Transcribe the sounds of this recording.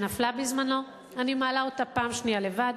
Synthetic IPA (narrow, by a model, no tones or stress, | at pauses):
naflabizmano̞ | animaːlao̞tapaːmʃnijale̞vad